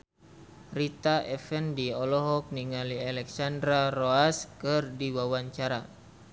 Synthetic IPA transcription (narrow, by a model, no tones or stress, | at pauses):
rit̪aʔɛfɛndiɔlɔɦɔk̚niŋalialɛksandɾaroaskɨrdiwawaɲt͡ʃaɾa